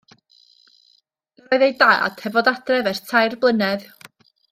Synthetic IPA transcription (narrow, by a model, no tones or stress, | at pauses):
rɔɨðejda̰ːa̰d̥hɛvɔdad̥rɛvɛrtʰajrblˠənɛð